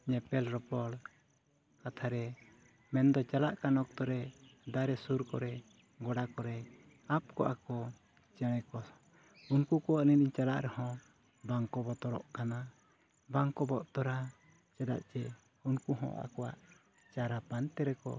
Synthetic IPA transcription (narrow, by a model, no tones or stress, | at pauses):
ɲɛpɛlɾɔpɔɽ | kat̪ʰaɾɛ | mɛnd̪ɔt͡ʃalaʔkanɔk̚t̪ɔɾɛd̪aɾɛsuɾkɔɾɛ | ɡɔɽakɔɾɛ | ap̚kɔ̰ʔa̰kɔ | t͡ʃɛɽ̃ɛkɔ | unkukɔwaʔniniɲt͡ʃalaʔɾɛhɔ̃ | baŋkɔbɔt̪ɔɾɔʔkana | baŋkɔbɔʔt̪ɔɾa | t͡ʃad̪a̰ʔt͡ʃɛ | unkuɦɔ̰̃ʔa̰kɔwa̰ʔ | t͡ʃaɾapant̪ɛɾɛkɔ̰